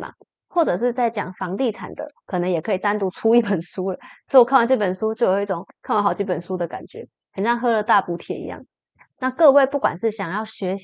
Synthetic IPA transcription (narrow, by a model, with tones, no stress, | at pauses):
ma̰˨˩ | xwɔ˥˩ʈ͡ʂɤ˨˩ʂɻ̩˥˧t͡sa˥˩ɪt͡ɕjɑ̰˨˩ŋfɑ˧˥ŋt̪i˥˩ʈ͡ʂʰa̰˨˩nd̪ə̰˩˦kʰɤ˨˩nə˦ŋjɛ˨˩kʰɤ˧˥i˨˩t̪a˥nt̪u˧˥ʈ͡ʂʰu˥i˥˩pə˨˩nʂu˥lə˩swɔ˧˥˨kʰa˥˧nwa˥˧nʈ͡ʂɤ˥˩pə˨˩nʂu˥t͡ɕjo˥˩ʊjo˨˩ʊi˥˩ʈ͡ʂʊ˨˩˦ŋkʰnwnxɑ˨˩ʊt͡ɕi˥˩pə˨˩nʂu˥d̪ə˨ka̰˨˩nt͡ɕɥɛ̰˧˦ | hə˨˩nʂɑ˥˩ŋxɤ˥lə˨t̪a˥˧pu˧˩t̪ʰjɛ̰˨˩ḭ˧˥jɑ̰˥˩ŋ | na˥˧kɤ˥˧we˥˧ɪpu˥˩kwa̰˨˩nʂɻ̩˥˩ɕjɑ˨˩ŋjɑ˥˩ʊɕɥɛ˧˥ɕ